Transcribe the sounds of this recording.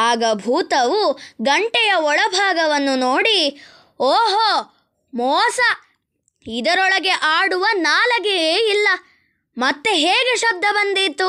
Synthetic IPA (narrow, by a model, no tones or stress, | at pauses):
aːɡɐbʱuːt̪ɐʋuɡɐɳʈɛjɐɔɭɐbʱaːɡɐʋɐnːunoːɽi | oːɦo | mɔːsɐ | id̪ɐɾɔɭɐɡe̞ʔaːɽuʋɐnaːlɐɡeːilːɐ | mɐt̪ːe̞ɦeːɡeʃɐb̚d̪ʱːɐbɐnd̪it̪ːu